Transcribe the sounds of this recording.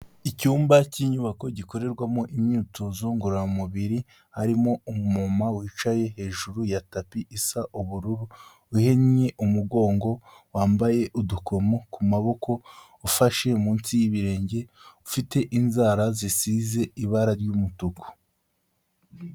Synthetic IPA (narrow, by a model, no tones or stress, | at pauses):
icuːmbaciɲuβako̞ɟiko̞ɾe̞ɾɡwamoʔimɲiːto̞zo̞ŋɡuɾamuβiɾi | haɾimo̞umumomawiːt͡ʃaje̞ɦe̞ːʒuɾujatapiʔisaʔuβuɾuɾuː | he̞ɲɲeʔumuɡo̞ːŋɡo̞ | waːmbaje̞ʔudukʰo̞mokumaβo̞kʰo̞ː | faʃe̞muːnsijiβiɾe̞ːɲɟe̞ufite̞ʔinzaːɾazisize̞iβaɾaɾɟumutuku̥